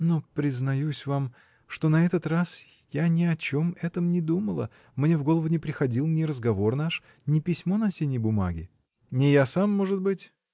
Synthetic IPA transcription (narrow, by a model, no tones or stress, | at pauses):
nopɾʲɪznɐjusʲvam | ʂt̪o̞nɐɛt̪ət̪rasjanʲɪɐt͡ɕo̞mɛt̪əmnʲɪd̪uməlˠə̰ | mnʲevɡo̞lˠəvʊnʲɪpɾʲɪxɐdʲilˠnʲɪɾəzɡɐvo̞rnaʂ | nʲɪpʲɪsʲmo̞nɐsʲenʲɪjbʊma̰ɡʲɪ | nʲɪjasamːo̞ʐɨt̪̚bɨtʲ